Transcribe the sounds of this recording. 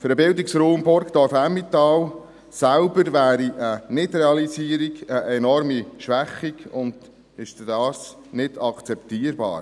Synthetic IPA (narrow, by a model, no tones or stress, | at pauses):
fɵɾəbɪld̪iksɾuːmbʊɾɡd̥̪ɑɾfæmːit̪ɑːw | sælbəɾʋæːɾiʔənɪdɾɛɑlisiːəɾiɡəʔɛnɔɾmiʃʋæχiɡʊnd̪̥ | ɪʃddɑːs | nɪd̥ɑkt͡sɛpt̪iːəɾbɑ̰ːɾ